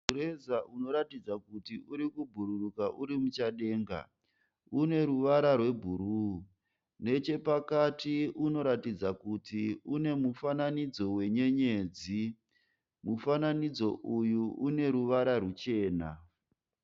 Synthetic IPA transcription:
uɾezaʔuno̞ɾatid͡zakutiʔuɾikubʱuɾurukaʔuɾimut͡ʃaɗe̞ːŋɡa̰ | une̞ɾuʋaɾarwe̞bʱuɾu | ne̞t͡ʃe̞pakatiuno̞ɾatid͡zakutiune̞mufananid͡zo̞we̞ɲe̞ɲe̞ːd͡zi | mufananid͡zo̞ʔujuʔune̞ɾuʋaɾarut͡ʃe̞ːna̰

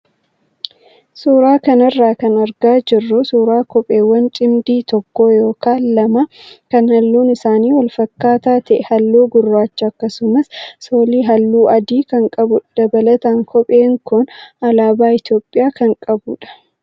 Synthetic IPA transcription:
suːɾaːkɐnɐrːaːkɐnɐɾɡaːd͡ʒɪrːʊsuːɾaːkɔpʼe̞ːwːɐnt͡ʃʼɪmd̪iːt̪ɔkːoːjo̞ːkaːnlɐmɐkɐnhɐlːuːnɪsaːniːwɐlfɐkːaːt̪aːt̪ɐʔɛhɐlːuːɡʊrːaːt͡ʃːɐɐkːɐsʊmɐssoːliːɦɐlːuːʔɐd̪iːkɐŋkʼɐbʊd̪̥ɐbɐlɐt̪ɐŋkʰɔpʼeːŋkʊnɐlaːbaːɪt̪jo̞ːpʼːɪjaːkɐŋkʼɐbuᶑɐ̥

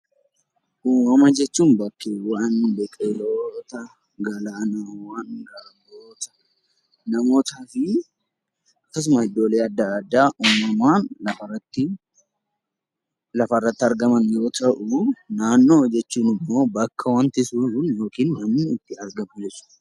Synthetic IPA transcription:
ʔuːmɐmɐd͡ʒɛt͡ʃːuːnbɐkːewaːnːbekʼeloːt̪ɐ | ɡɐlaːnɐwanɡɐmoːt̪ɐ̥ | nɐmo̞ːt̪aːfɪ | ɐkːɐs̬ʊmɐhɪd̪ːoːleːɐd̪ːaːd̪ːaːʔɔmɐmaːnlɐfɐrɐt̪ːɪ | lɐfɐrːɐt̪ːɪɐɾɡɐmɐnjo̞ːt̪ʰɐʔʊnaːnːo̞ːd͡ʒɛt͡ʃːuːnɪmːo̞ːbɐkʰːɐwɐnt̪ɪsuːnjo̞ːkiːnwɐnɪt̪ːɪɐɾɡɐmɐd͡ʒɛsʊ̥

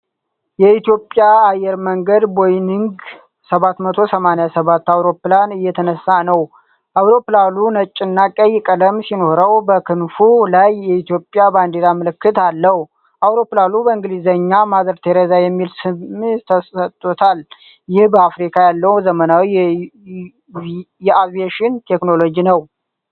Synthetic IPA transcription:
jɛit̪ijo̞pʼjaajɛɾməŋɡəd̪bojniŋɡ | səβat̪mət̪ʰo̞səmanejasəβat̪ːawɾo̞planɨjːɛt̪ʰənəsːanəw | ʔawɾo̞plalunət͡ʃʼːɪnːakʼəjːɪkʼələmsino̞hɾəwbəkʰɨnfulajːɛit̪jo̞pʼːjaband̪eɾamɨlɨkːɨt̪alːəhu | ʔawɾo̞pːlalubəɨŋɡlizəɲːamazəɾt̪ʰeɾezajɛmːilsɨmt̪ʰəsət̪ʼːot̪ʰal | jɪhbəafɾikʰajalːəwzəmənawi | jɛʔavieʃɪnt̪ʰekno̞lo̞d͡ʒinəw

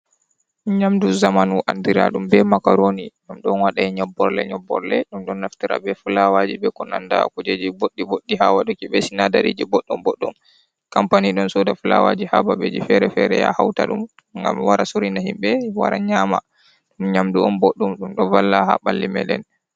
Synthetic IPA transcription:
ɗɲamduzamanuʔandiɾa̰ɗumbɛmakaɾoniɗamɗɔnwaɗaiɲɔbːɔɾlɛ̰ɲɔbːɔ̰ɾlɛɗumɗɔnːaftiɾa̰bɛfulawad͡ʒibɛkɔnandakud͡ʒed͡ʒiboɗːiboɗːihawaɗukibɛsinadaɾḭːd͡ʒibɔɗːɔmbɔɗːɔm | kampaniɗɔnsɔdafula̰wad͡ʒihababed͡ʒifɛɾɛfɛɾɛja̰hawtaɗum | ŋɡa̰mwaɾasuɾinahimɓɛwaɾaɲama | ɗumɲamduɔnbɔɗːɔmɗumɗɔvalːahaɓalːimɛlɛn

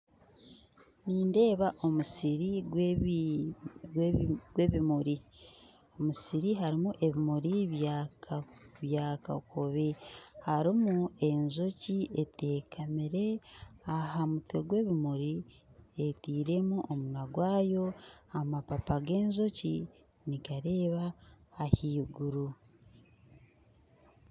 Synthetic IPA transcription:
niːnde̞ːβaʔo̞musiɾiɡw | ɡɡwe̞βimuɾi | o̞musiɾiɦaɾimuʔe̞βimuɾia | βjaka̰kʰoβihaɾimue̞nzo̞cietʰeːkʰamiɾe̞aɦamutoɡwe̞βimuɾi | etiːɾe̞muʔomunaɡwaːjo̞amapapaɡe̞ːnzo̞ci | nikaɾe̞ːβaːhiːɡuɾu

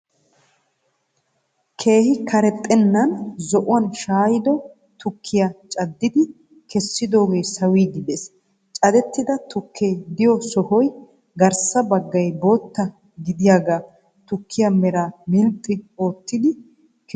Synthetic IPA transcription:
kʰe̞ːhɪkʰɐɾɛt̪ʼːɛnːɐnzɔʔʊwɐnʃaːjɪd̪ɔ | t̪ʊkʰːɪjat͡ʃʼɐd̪ːɪd̪ɪ | kɛsːɪd̪o̞ːɡe̞ːsɐwiːd̪ɪd̪es | t͡ʃʼɐd̪ɛt̪ːɪd̪ɐt̪ʊkʰːeːd̪ɪjɔsɔhɔj | ɡɐɾsɐbɐɡːɐjbo̞ːt̪ːɐ | ɡɪd̪ɪjaɡaː | t̪ʊkʰːɪjamɛɾaːmɪlt̪ʼːɪo̞ːt̪ːɪd̪ɪ | k

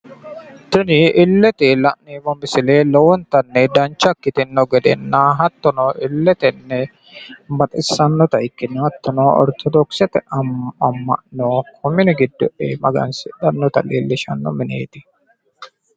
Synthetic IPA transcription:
t̪ʊnɪʔɪlːɛt̪ɛlɐ̰ʔnibɔmɪsɪleːlɔwɔnt̪ɐnːɛd̪ɐnt͡ʃːɐkːɪt̪ɪnːɔɡɛd̪ɛ̰nːaɦɐt̪ːɔnɔʔɪlːɛt̪ɛnːɛ | mɐt̪ʼɪsːɐnːɔt̪ɐʔɪkːɪnːɔhɐt̪ːɔnoɔ̰ɾt̪ʰɔd̪ɔksɛt̪ɛʔɐmɐmːɐ̰ʔnoːkʰɔmːɪnɪɡɪd̪ːɔʔeːmɐɡɐ̰nsɪᶑɐnːɔt̪ɐleːlːɪʃɐnːɔ̰mɪnḛːt̪ɪ

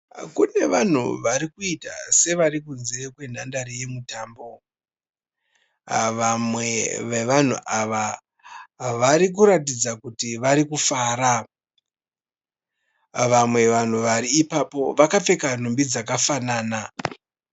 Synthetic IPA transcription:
kune̞ʋan̤ṵʋaɾikuita̰se̞ʋaɾikunzekwe̞n̤andarije̞mutaːmbo̞ | ʋamwe̞ʋeʋan̤ṵʔaʋa | ʋaɾik̬uɾatid͡zakutiʋaɾikufaːɾa | ʋamwe̞ʋan̤uʋaɾiːpapo̞ʋakap͡fe̞kan̤umbid͡zakafanaːna

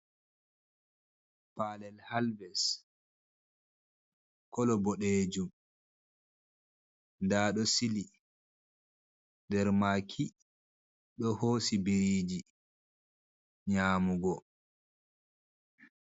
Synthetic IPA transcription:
paːlɛlhalvɛs | kɔlɔbɔɗeːd͡ʒum | ndaːɗɔsili | ndɛɾmakʰi | ɗɔhoːsibiɾiːd͡ʒi | ɲaːmuɡɔ

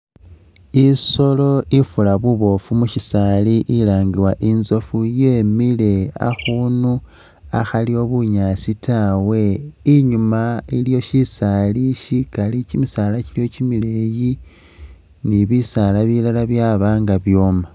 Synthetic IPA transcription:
iso̞lo̞ifulaβuβo̞fumuʃisaliʔilaːŋɡiwaʔinzo̞fuje̞ːmile̞a̰xuːnu | a̰xalio̞βuɲasitawe̞iɲumailijo̞ʃisaliʃikalicimisaːlacilijo̞cimileji | niβisalaβilalaβjaβaːŋɡaβjo̞ːma

